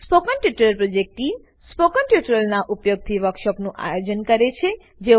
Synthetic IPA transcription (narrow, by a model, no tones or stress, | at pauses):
spokənʈjuʈɾəlpɾod͡ʒek̚ʈim | spokənʈjuʈɾəlnaʔupjoɡ̚t̪ʰiʋəkʃəknũʔa̰jod͡ʒənkəɾet͡ʃʰe | d͡ʒe